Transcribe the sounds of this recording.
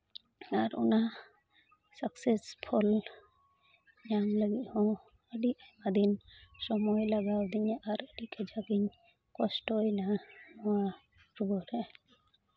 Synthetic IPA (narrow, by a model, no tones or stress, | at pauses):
aɾṵna | saksespʰul | jaŋləɡiʔhɔ̃ | əɖiʔmad̪insɔmɔjlaɡawd̪iɲaʔaɾəɖikʰɛd͡ʒaɡiɲ | kɔsʈɔjnaɔwa | ɾuɡɔɾɛ